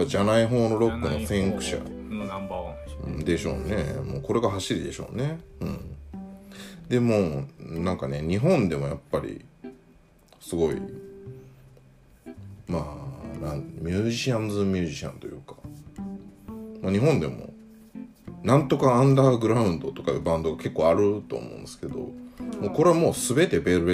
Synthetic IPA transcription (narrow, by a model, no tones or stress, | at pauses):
jpːad͡ʑanaiɦo̞ːno̞ɾo̞kːɯ̟no̞sẽ̞ɰkɯ̟̥ɕa̰ | d̪e̞ɕo̞̰ːne̞mo̞̰ːko̞ɾe̞ɡaɦaɕiɾʲid̪e̞ɕo̞̰ːne̞ɯ̟̰̃ɴ | d̪e̞monãŋkane̞ɲ̟iɦõ̞nd̪e̞mo̞japːaɾʲḭ | sɨɡo̞ḭ | maːnãmʲjɨːʑiiãnzɨmʲjɨ̟ːʑiɕã̰nt̪o̞jɯ̟̰ːkḁ | maɲ̟iɦõ̞nd̪e̞mo̞̰ | nãnt̪o̞kãːnd̪aɡɯ̟ɾaɯ̟̃nd̪o̞t̪o̞kaebãnd̪o̞ɡake̞kːoːaɾɯ̟t̪o̞̰ːmõ̰ːnesɨ̥ked̪o̞̰moːko̞ɾe̞amo̞ːsɨbe̞t̪e̞be̞ɾɯ̟